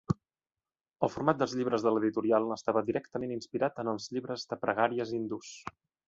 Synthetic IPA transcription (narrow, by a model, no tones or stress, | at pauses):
əlˠfuɾmat̪̚d̪əlzʎiβɾəzðələðit̪uɾialˠəst̪aβəd̪iɾɛkt̪əmeninspiɾat̪ənəlˠzʎiβɾəzðəpɾəɣ̞aɾiəzind̪us